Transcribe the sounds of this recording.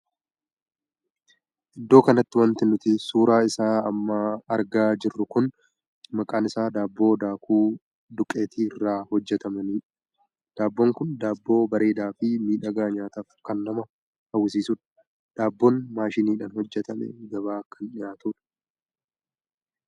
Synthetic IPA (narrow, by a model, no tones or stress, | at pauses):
ʔɪd̪ːo̞ːkɐnɐt̪ːɪwɐnt̪ɪnʊt̪ɪsuːɾaːɪsaːɐmːaːɐɾɡaːd͡ʒɪrːʊkʊn | mɐkʼaːnɪsaːd̪aːbːo̞ːd̪aːkʰuː | d̪ʊkʼːe̞ːt̪ʰiːrːaːhɔd͡ʒːɛt̪ɐmɐniːᶑ | d̪̥aːbːoːŋkʊnd̪aːbːo̞ːbɐɾe̞ːd̪aːfɪmiːᶑɐɡaːɲaːt̪aːfkɐnːɐmɐ | hɐws̬iːsʊᶑ | d̪̥aːbːoːnmaːʃɪniːᶑaːnhɔd͡ʒːɛt̪ɐmɛ̰ɡɐβaːkːɐnᶑɪjaːt̪ʊᶑɐ̥